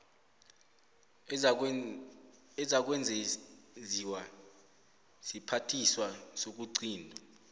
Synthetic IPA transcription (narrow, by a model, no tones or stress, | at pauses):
ɛzak̬wɛnd͡zʱeziwa | sipʰatʰiswasok̬uǀʰiːndʱɔ